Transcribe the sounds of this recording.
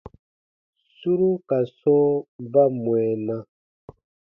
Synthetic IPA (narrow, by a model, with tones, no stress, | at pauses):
su˦ɾu˦ka˨sɔ̃˦ba˦mwɛ˨nã˦